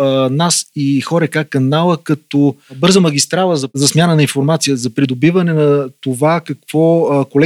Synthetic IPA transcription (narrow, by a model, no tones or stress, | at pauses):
nasixɔɾɛkakːɐnalˠəkɐt̪ɔbɤɾzəmɐɡʲist̪ɾalˠəzɐzɐsmʲanənɐĩnfoɾmat̪sijəzɐpɾid̪obivɐnɛnɐt̪ovakɐkv̥ɔkolɛ